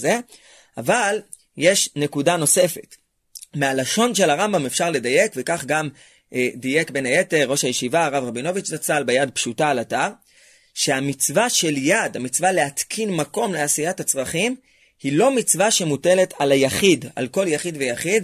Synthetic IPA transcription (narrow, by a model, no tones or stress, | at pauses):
ze̞ | ʔaval | je̞ʃne̞kudano̞se̞fe̞t | mealaʃo̞nʃe̞laʁambamefʃaʁle̞daje̞kvekaχɡam | ʔdije̞kbe̞naje̞te̞ʁːo̞ʃajeʃivaːʁavʁabino̞vit͡ʃnat͡salbejadpʃutaːlataʁ | ʃe̞amit͡svaʃe̞ljadamit͡svale̞at̪kʰinmako̞mleasijatat͡sʁaχim | hilo̞mit͡svaʃe̞mute̞le̞tʰalajaχida̰lko̞ljaχidvejaχid